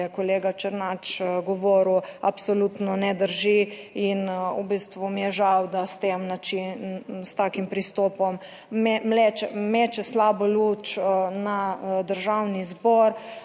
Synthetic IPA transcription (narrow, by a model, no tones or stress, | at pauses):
ɛkɔleːɡat͡ʃəɾnat͡ʃɡɔʋɔːɾuapsolut̪nɔnɛd̪əɾʒiinubist̪ʋumijɛʒawd̪ast̪emnat͡ʃinst̪akimpɾist̪ɔːpɔm | mɛmlet͡ʃɛmeːt͡ʃɛslaːbɔlut͡ʃnad̪əɾʒawnizbɔɾ